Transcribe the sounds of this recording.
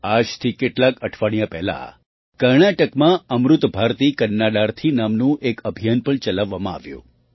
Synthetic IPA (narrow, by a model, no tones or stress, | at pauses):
ad͡ʒt̪ʰikeʈlakəʈʰʋaɽ̃japɛɦla̰ | kəɾɳaʈəkmãəmɾut̪bʱaɾt̪ikənːaɖaɾt̪ʰinamnũʔekəbʱijanpəɳt͡ʃəlaʋːamãa̰ʋjṵ̃